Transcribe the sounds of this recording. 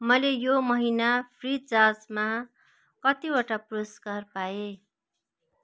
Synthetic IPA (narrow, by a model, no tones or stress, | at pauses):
mʌlejomʌɦinapʰrit͡sasma | kʌt̪iwaʈaproskarpae